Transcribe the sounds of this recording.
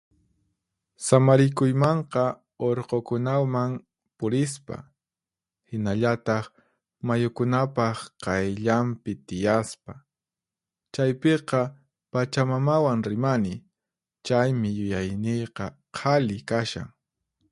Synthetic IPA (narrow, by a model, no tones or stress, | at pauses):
samaɾɪkʊjmɑɴqɑ | oɾqokʊnawmaŋ | pʊɾɪspa̰ | hɪnaʎat̪ɑχ | majʊkʊnapɑχqɑjʎampɪt̪ɪjaspa | t͡ʃajpeqɑ | pat͡ʃamamawaŋɾɪmanɪ | t͡ʃajmɪjʊjajnɪjqɑ | qʰɑlɪkaʃa̰ŋ